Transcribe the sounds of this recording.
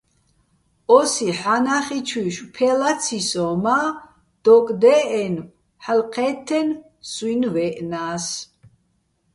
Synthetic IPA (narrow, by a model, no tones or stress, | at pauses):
ʔɔsiħanaχit͡ʃʰwiʃpʰɛlat̪t͡sʰisɔma | d̪̥ɔkʼd̪ɛʔɛn | ħəlqʰɛt̪ʰːɛn | swinvɛʔnaːs